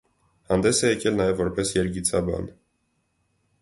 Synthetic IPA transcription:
hɑnd̪ɛsɛjɛkɛlnɑjɛvːɔɾpɛsjɛɾɡit͡sʰɑbɑ̰n

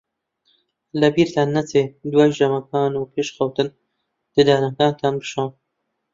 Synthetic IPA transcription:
lɐbiːɾt̪aːnːat͡seːd̪wɑːjd͡ʒɐmɐkʰɑːnupʰeːʃxawt̪ɨn | d̪̥ɨd̪ɑːnak̪ɑːnt̪ʰaːnbɨʃaːn

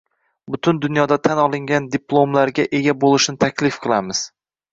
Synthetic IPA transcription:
bʊt̪ʰʊnd̪ʊnjɒd̪at̪ʰanɒlˠɪŋɡʲand̪ɪplˠomlaɾɡʲaʔe̞ɡʲabolˠɪʃnɪt̪ʰakʲʰlɪfqʰɨlˠamɪz̥

